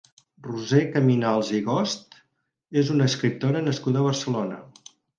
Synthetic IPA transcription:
ruzekəminalˠziɣɔst̪ | ezunəːskɾip̚t̪oɾənəskuðəβ̞əɾsəlonə̰

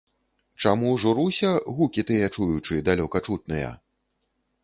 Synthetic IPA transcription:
t͡ʂamuʐuɾusʲɐɣukʲit̪ɨjɛt͡ʂujut͡ʂɨd̪alʲɔkɐt͡ʂut̪̚nɐjɐ̰

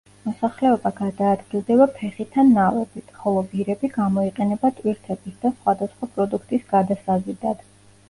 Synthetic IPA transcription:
mɔsaχlɛɔbaɡad̪aːd̪ɡilˠd̪ɛbapʰɛχit̪ʰːanːavɛbit̪ʰχɔlˠɔbiɾɛbiɡamɔiqʼɛnɛbat̪ʼwiɾt̪ʰɛbisd̪asχwad̪asχwapʼɾɔd̪ukʰt̪ʼisɡ̥ad̪asazid̪ad̪̥

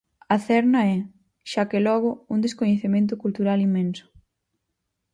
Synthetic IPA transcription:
ɐθɛɾnɐɛ | ʃakelɔɣ̞ʊund̪eskoɲeθemẽnt̪̬ʊkult̪uɾalimːẽnsʊ̥

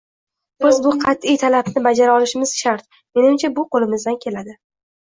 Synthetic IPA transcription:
b̥ɪzbʊqʰɑt̪ːɪjt̪ʰalabnɪbad͡ʒaɾaɒlɪʃɪmɪz̥ʃaɾt̪̚ | me̞nɪmt͡ʃʰabʊqʰolˠɪmɪzd̪ankʲʰe̞lad̪ɪ

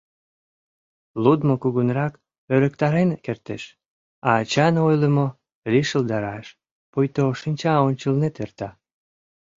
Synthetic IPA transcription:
lud̪mokuɣunrɑk | øɾəkt̪ɑɾenkert̪eʃ | ɑːt͡ɕɑnojləmo | liʃəld̪ɑɾɑʃ | pojt̪oʃinʲt͡ɕɑonʲt͡ɕəlnet̪ert̪ɑ

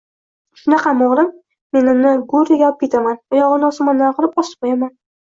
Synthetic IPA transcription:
ʃʊnɑqʰɑmɒʁɾɪm | me̞nɪmnɪɡʊɾɪjʲap̚kʰʲe̞t̪ʰamanʊjɒʁɨnɒsʊmanːanqʊlˠɪpɒsɨ̥p̚qʰojaman

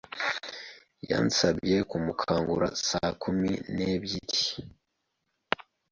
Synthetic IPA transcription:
ja̰nsabje̞kumukʰaːŋɡuɾa̰sakuminebjiɾi

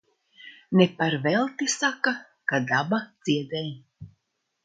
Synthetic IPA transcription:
nepaɾvɛlˠt̪isaka | kad̪abad̪z̥iɛd̪ɛj

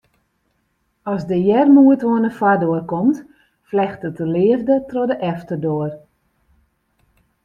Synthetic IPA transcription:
ɔzdəjɛrmuətʋoənəfadoərkɔmt | flɛxtətəlɪəvdətrodəʔɛftərdoər

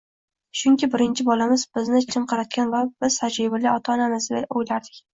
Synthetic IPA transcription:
ʃʊŋkʲɪbɪɾɪnt͡ʃʰɪbɒlamɪzbɪznɪt͡ʃʰɪmqʰɑɾat̪̚kʲanvabɪz̥sad͡ʒɪbɪlɪɒt̪ʰaːnanɪzɪd̪aojlaɾd̪ɪkʲ

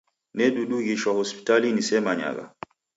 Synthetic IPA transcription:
nɛɗuɗuɣiʃwahɔspi̥talinisɛmaɲa̰ɣa̰

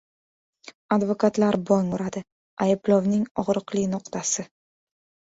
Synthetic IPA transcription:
ad̪vokʰat̪laɾbɒŋʊɾad̪ɪ | ajɪblɒvnɪŋɒʁɾɨqlɪnʊqt̪ʰasɪ

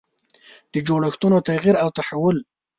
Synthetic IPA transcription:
d̪̥əd͡ʒoɽaxt̪unot̪aɣiɾawt̪aħawʊl

